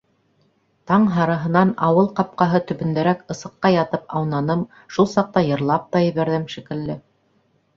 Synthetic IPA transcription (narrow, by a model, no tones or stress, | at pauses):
t̪ɑɴɦɑɾɤɦɤ̆nɑnɑwɤlˠqɑp̚qɑɦɤt̪ɵ̆βɵ̆nd̪æɾækɤ̆sɤ̆qːɑjɑt̪ɤpɑwnɑnɤm | ʃulˠsɑq̚t̪ɑjɤ̆ɾlˠɑp̚t̪ɑjɘ̆βæɾðɘmʃikɘ̆lːɘ